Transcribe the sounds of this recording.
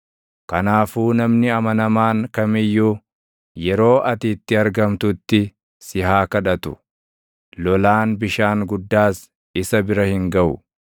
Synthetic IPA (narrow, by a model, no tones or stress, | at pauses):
kɐnaːfuːnɐmnɪɐmɐnɐmaːŋkɐmɪjːuː | jɛɾo̞ːʔɐt̪it̪ːɪɐɾɡɐmt̪ʊt̪ːɪ | sɪhaːkɐᶑɐt̪ʊ̰ | lɔlaːnbɪʃaːŋɡʊd̪ːaːs | ɪsɐbɪɾɐhɪŋɡɐʔʊ